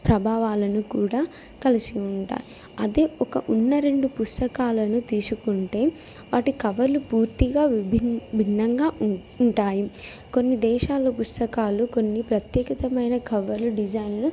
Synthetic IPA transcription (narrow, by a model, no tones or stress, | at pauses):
pɾɐbʱaːʋaːlɐnukuːɽaː | kɐlisiuɳʈa̰ːji | ɐd̪eːɔkɐʔunːɐɾe̞ɳɖupust̪ɐkaːlɐnut̪iːsukuɳʈe̞ː | ʋaːʈikɐʋɐɾlupuːɾt̪iɡaːʋibʱinbʱinːɐŋɡaː | uɳʈaːji | ko̞nːid̪ɛːʃaːlːopust̪ɐkaːluko̞nːipɾɐt̪jɛːkɐt̪ɐmɐjnɐkɐʋɐɾluɖid͡ʒɐjnlu